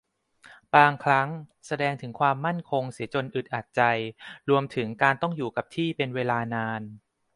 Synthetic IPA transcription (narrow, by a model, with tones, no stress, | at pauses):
baː˧ŋkʰɾa˦˥ŋsa˧dɛː˧ŋt̪ʰɯ˩˦ŋkʰwaː˧mːa˥˩nkʰo˧ŋsi˩˦t͡ɕo˧nʔɯ˨˩t̪̚ʔa˨˩t̪̚t͡ɕa˧jɾu˧əmt̪ʰɯ˩˦ŋkaː˧nt̪ɔ˥˩ŋjuː˨˩ka˨˩p̚t̪ʰiː˥˩pe˧nweː˧laː˧naː˧n